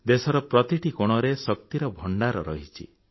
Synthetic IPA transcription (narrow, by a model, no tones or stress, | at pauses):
d̪esɔɾɔpɾɔt̪iʈikoɽ̃ɔɾesɔk̚t̪iɾɔbʱɔɳɖaɾɔɾɔ̰ɦit͡ʃʰi